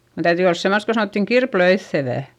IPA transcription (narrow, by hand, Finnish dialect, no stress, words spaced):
sen tæytyˑ ols semːost ko sɑnoˑtːiŋ kirpløiθːeʋæˑ